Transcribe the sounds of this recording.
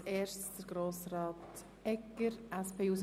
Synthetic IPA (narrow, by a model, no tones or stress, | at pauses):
eːʃd̥əɾɡ̥ɾoːsɾɑːt | ɛkəɾʔɛspʰeːuːs